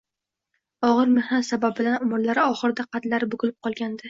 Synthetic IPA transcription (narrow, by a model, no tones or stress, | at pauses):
ɒʁɨɾmehnat̪sabab̚bɪlanʊmɾlaɾɪɒχɨɾɪd̪aqʰɑt̪laɾɪbʊɡʊlɪp̚qʰɒlˠɡʲand̪ɪ